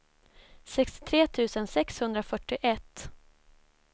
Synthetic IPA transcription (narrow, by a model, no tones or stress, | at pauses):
sɛkst̪ɪ̥t̪ʰɾeːt̪ʰʉ̟ːsənsɛkshɵnd̪ɾafœʈːɪʔɛt̪ː